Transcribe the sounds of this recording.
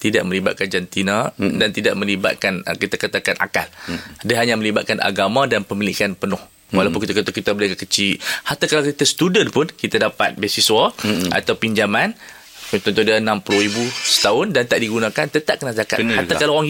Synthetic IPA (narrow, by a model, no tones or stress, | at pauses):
t̪idaʔ̚məliba̰t̪̚kand͡ʒant̪inadant̪ida̰ʔ̚mə̃liba̰t̪̚kanəkit̪akat̪akanʔa̰ka̰ldəɦaɲamə̃libat̪̚kanʔa̰ɡamãdanpəmilikanpənɔh | walawpʊnkit̪akət̪ukit̪abəliakakət͡ʃihat̪akalawkit̪asə̥t̪udənpʊnkit̪adapa̰t̪̚bɛsiswaʔa̰t̪awpiɲd͡ʒaman | t̪ɔnt̪ɔdiaənãmpuluhribusə̥t̪aʊndant̪aʔdiɡunãkant̪ət̪aʔ̚kənazaka̰t̪hat̪akalaaŋ